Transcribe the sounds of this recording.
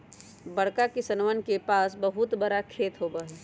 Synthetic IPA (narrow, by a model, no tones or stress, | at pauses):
bɐɽkakisɐnwənkepaːsbɐɦʊt̪bɐɾakʰeːt̪ɦoːbaːɦe